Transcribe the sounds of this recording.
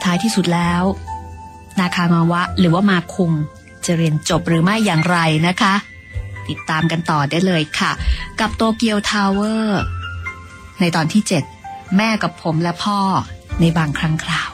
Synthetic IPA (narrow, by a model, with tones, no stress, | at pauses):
t̪ʰaː˦˥jt̪ʰiː˥˩su˨˩t̪̚lɛː˦˥w | naː˧kʰaː˧ŋaː˧wa˦˥ʔɾɯː˩˦waː˥˩maː˧kʰu˧ŋ | t͡ɕa˨˩ɾi˧ənt͡ɕo˨˩p̚ɾɯː˩˦ma˥˩jːaː˨˩ŋɾa˧jna˦˥kʰa˦˥ | t̪i˨˩t̪ːaː˧mka˧nt̪ɔː˨˩daː˥˩jlɤː˧jkʰa˥˩ka˨˩p̚t̪oː˧ki˧əwt̪ʰaː˧wɤː˥˩ | na˧jt̪ɔː˨˩nt̪ʰiː˥˩t͡ɕe˨˩t̪̚mɛː˥˩ka˨˩pʰːo˩˦mlɛ˦˥pʰɔː˥˩na˧jbaː˧ŋkʰɾa˦˥ŋkʰɾaː˧˩w